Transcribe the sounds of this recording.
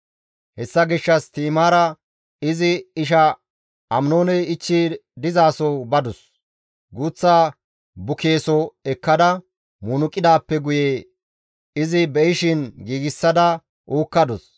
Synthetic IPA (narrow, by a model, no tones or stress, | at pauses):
hɛsːɐɡɪʃːɐst̪iːmaːɾɐ | ɪzɪɪʃ̬ɐ | ɐmnoːnɛjɪt͡ʃːid̪ɪzaːsɔbɐd̪ɔs | ɡuːt͡sːaː | bʊkʰe̞ːsɔɛkːɐd̪ɐ | mʊnʊkʼːɪd̪aːpːɛɡʊjeː | ɪzɪbɛjɪʃɪnɡiːɡɪsːɐd̪ɐ | uːkːɐd̪ɔs